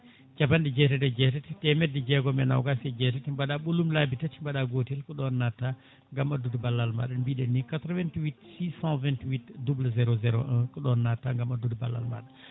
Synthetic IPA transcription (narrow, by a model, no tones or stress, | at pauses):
d͡ʒapandɛd͡ʒɛtɛtɛd͡ʒɛtɛtitɛmɛdɛd͡ʒɛɡɔmɛna̰wɡasɛd͡ʒɛtɛtimbaɗaɓolumlabitatimbaɗaɡotilkɔɗɔnːatːa | ŋɡamadudbalːalma̰ɗanbiɗɛnːikatɾɔvɛntwitsisãvɛntwitdublazɛɾozɛɾoɛkɔɗɔnːatːaŋɡamadudbalːa̰lma̰ɗa